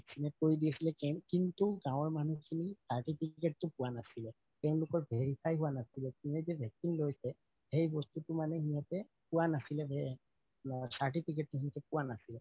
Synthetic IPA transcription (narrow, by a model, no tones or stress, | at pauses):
ksinɛt̚koɹidiɛsilɛkɛkintuɡãw̃ɔɹmanukʰinisaɹtipʰikɛtːʊpʊwanasilɛ | tɛʊ̃nlʊkɔɹbʱeɹipʰajɦuwanasilɛkinɛzɛbʱɛksinlojsɛ | hejbɔstutʊmanɛhiatɛ | pʊwanasilɛbɛ | saɹtipʰik̬ɛt̚ːuɦiatɛpʊwanasilɛ